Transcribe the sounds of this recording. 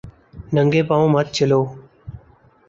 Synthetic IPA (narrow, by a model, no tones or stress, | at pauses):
nəŋɡeːpaːũːmət̪̚t͡ʃəloː